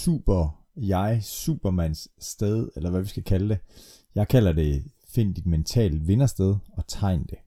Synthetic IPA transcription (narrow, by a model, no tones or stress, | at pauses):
sṵːb̥ɐ | jɑ̈ɪsṵːb̥ɐmæn̰sːd̥eð̞ˠelɐʋæʋisɡ̥ækʰæləd̥e̝ | jɑ̈ɪkʰælɐd̥e̝ | fe̝n̰d̥id̥ment͡sʰɛ̰ːld̥ʋe̝nɐsd̥eð̞ˠɒ̽t͡sʰɑ̈ɪ̰nd̥e̝